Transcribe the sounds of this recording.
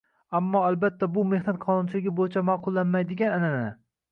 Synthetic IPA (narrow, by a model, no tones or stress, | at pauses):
amːɒalbat̪ʰːabʊme̞hnat̪̚qʰɒnʊnt͡ʃʰɪlɪɡʲɪbojɪt͡ʃʰamaqʰʊlˠːanmajd̪ɪɡʲananananɪ